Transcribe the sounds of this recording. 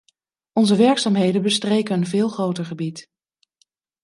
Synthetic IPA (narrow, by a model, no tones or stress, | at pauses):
ɔnzəʋɛɹksaːmɦejdənbəstrejkənvɪːlˠχrowtəɹχəbit